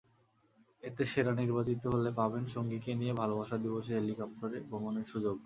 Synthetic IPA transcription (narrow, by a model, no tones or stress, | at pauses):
et̪eʃeɾaniɾbat͡ɕit̪oɦolepabenʃoŋɡikeniebʱalobaʃad̪iboʃeɦelikap̚ʈoɾebʱomoneɾʃud͡ʑoɡ